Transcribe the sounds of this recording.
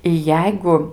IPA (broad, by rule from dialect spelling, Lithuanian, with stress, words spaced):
ɪ ˈjɛɪɡʊ